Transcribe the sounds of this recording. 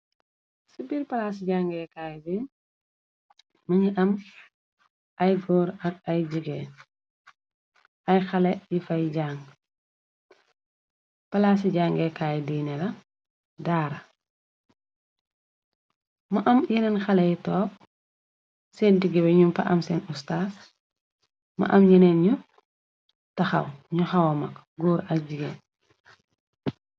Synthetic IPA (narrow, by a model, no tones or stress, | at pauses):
sibiːɾpɐlas̬iɟaːŋɡɛkaːjbi | mɐɲiʔɐm | ʔɐjɡɔːɾɐk̚ɐjɟiɡɛ | ɐjxɐlɛjifɐjɟaːŋ | pɐlas̬iɟaːŋɡɛkajdiːnɛlɐ | daːɾɐ | maʔɐmjinɛnxɐlɛjitɔːp̚ | seːndiɡɛbɛɲumpɐ̰ʔɐmsɛnustaːs | mɐ̰ʔɐmjinɛnɲu | tɐxɐ̰wɲuxɐwomɐk | ɡuːɾɐɟiɡḛ